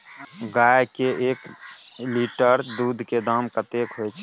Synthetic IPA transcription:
ɡaːjkeʔeːkliːʈəɾd̪uːd̪ʱked̪aːmkat̪eːkɦoet͡ʃʰ

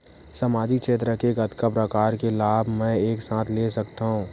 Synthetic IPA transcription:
sɐmaːd͡ʒit͡ʃeːt̪ɾəkeɡɐt̪kapɾəkaːɾkelaːbʱmɛ̃eːksãːt̪ʰlesɐkt̪aɦũː

